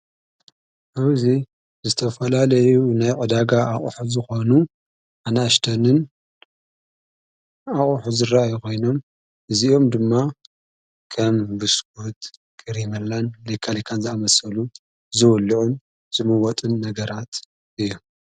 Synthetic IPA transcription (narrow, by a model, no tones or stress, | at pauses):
ʔaβzi | zɨt̪ʰɐfɐlalɐjunajkʼɐd̪aɡaʔaχʼuħuzɨxo̞nu | ʔanaʃt̪ʰɐnɨn | aχʼħuzɨraʔajukʰo̞jno̞m | ʔɨziʔo̞md̪ɨmːa | kʰɐmbɨsɡut̪ | kʼɨɾimɐlːanlejkʰalikʰanzɨamɐsɐlu | zɨwʊlːiʕun | z̥ɨmɐwɔt̪ʼɨnːɐɡɐɾat̪ | ʔɨjːu